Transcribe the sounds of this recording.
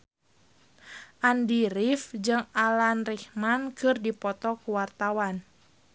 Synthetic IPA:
ʔandiɾifd͡ʒɨŋalanrihmankɨrdipɔt̪ɔkuwart̪awan

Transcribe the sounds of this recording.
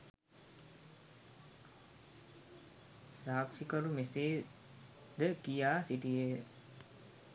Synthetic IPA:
saːksikɐɾumeseː | d̪əkijaːsiʈije

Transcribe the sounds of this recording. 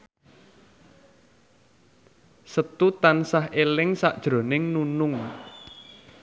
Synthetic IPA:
sət̪ut̪ansaɦʔelɪŋsa̰ʔd̥ʒ̥ɾo̤nɪŋnunʊŋ

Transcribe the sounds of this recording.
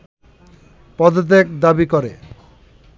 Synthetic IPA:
pɔd̪ot̪̬ek̚d̪abikɔɾe

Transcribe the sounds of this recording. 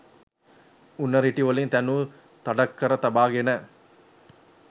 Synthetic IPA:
unːɐɾiʈiʋɐlint̪ænu | t̪ɐɖɐkːɐɾɐt̪ɐbaːɡenə

